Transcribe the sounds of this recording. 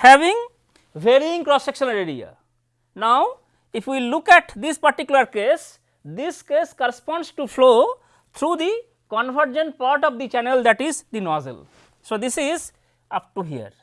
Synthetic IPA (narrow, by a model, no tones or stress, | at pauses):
hæʋĩŋ | ʋeɾiĩŋkɾɔsekʃə̃nɾeɾḭa̰ | naʊ | ifʰwilukɛʈd̪ispaɾʈikjuləɾkes | d̪iskeskɔɾespɔ̃ːnsʈufloː | t̪ʰɾuːd̪i | kɔ̃nʋəɾd͡ʒə̃ɳʈ̚paɾʈɔʋd̪it͡ʃɛneld̪æʈizd̪inɔzḛl | sod̪isiz | ap̚ʈuɦḭə̰ɾ